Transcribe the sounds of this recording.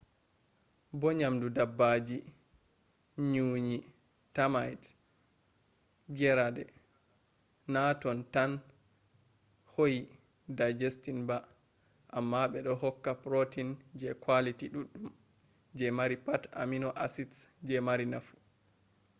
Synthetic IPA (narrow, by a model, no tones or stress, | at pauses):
bɔɲamdudabːad͡ʒi | ɲuɲi | tamajd | ɡɛɾadɛ | natɔntan | hoji | dad͡ʒestinba | ʔamːaɓɛɗɔɦɔkːapɾotind͡ʒɛkwalitiɗuɗːum | d͡ʒɛmaɾipata̰minɔʔasitsd͡ʒɛmaɾinafu̥